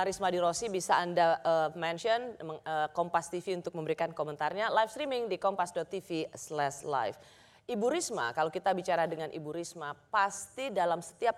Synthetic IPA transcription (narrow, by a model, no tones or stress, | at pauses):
aɾismadiɾosibisaːndaəmɛnʃɔnəəkɔmpast̪ifiunt̪ʊk̚məmbəɾikankomənt̪arɲalajfst̪ɾimɪŋdikɔmpasdɔt̪ːifislɛsla̰jf | ʔibuɾisma̰kalawkit̪abit͡ʃaɾadəŋanʔḭbuɾismapast̪idalamsə̥t̪iap̚